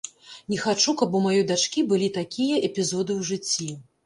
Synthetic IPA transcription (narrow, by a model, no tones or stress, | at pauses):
nʲɛxat͡ʂukɐbumajɔjd̪at͡ʂkʲibɨlʲit̪akʲijɐʔɛpʲizɔd̪ɨwʐɨt͡sʲːi